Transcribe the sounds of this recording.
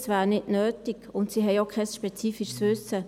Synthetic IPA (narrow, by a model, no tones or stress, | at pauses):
sʋæːɾnɪdnøːtikʊntsiɦɛɪokʰɛsʃpɛt͡siːfiʃsʋʏsːə